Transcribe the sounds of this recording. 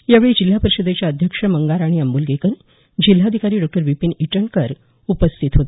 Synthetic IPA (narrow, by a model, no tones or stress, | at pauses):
jaʋeɭiːd͡ʑil̤ːapəɾiɕəd̪ʱet͡ɕjaəd̪ʱjəkʂəməŋɡaɾaɽ̃iəmbuːlɡekən | d͡ʑil̤ːad̪ʱikaɾiːɖɔk̚ʈəɾʋipiniʈəɳkəɾ | upəst̪ʰit̪ɦot̪